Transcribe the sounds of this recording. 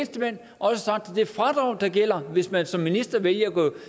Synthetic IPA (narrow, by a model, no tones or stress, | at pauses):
nsd̥əmen̰ | ʔɒ̽səsɑ̈ɡ̥̚d̥æd̥e̝ɐfʁɑ̈d̥ʁɑ̈ʊ̰nd̥ɑ̈ɡ̥el̰ɐʋe̝smænsɒ̽mːinisd̥ɐʋeljɐæɡ̥ɔ